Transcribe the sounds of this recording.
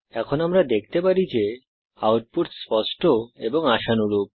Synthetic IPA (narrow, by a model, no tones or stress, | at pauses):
ɛkʰonamɾad̪ek̚ʰt̪epaɾid͡ʑe | awʈ̚puɾspɔʃʈʰoeboŋaʃanuɾup̚